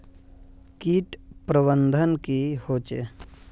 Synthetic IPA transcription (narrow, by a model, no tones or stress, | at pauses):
kiːʈpɾəbənd̪ʱənkihoːt͡ʃḛ